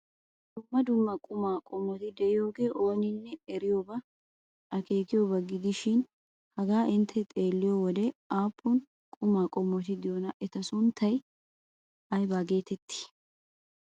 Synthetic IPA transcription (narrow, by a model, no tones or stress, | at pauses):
d̪ʊmːɐd̪ʊmːɐkʼʊmaːkʼɔmːɔt̪ɪd̪ɛɪjo̞ːɡe̞ːʔo̞ːnɪnːɛɛɾɪjoːbɐ | ʔɐke̞ːkɪjobɐɡɪd̪ɪʃɪn | hɐɡaːʔɪnt̪ʰːɛt̪ʼe̞ːlːɪjowɔd̪ɛaːpʰːʊn | kʼʊmaːkʼɔmːɔt̪ɪd̪ɪjonɐʔɛt̪ɐsʊnt̪ʰːɐj | ɐjbaːɡe̞ːt̪ɛt̪ːɪ̥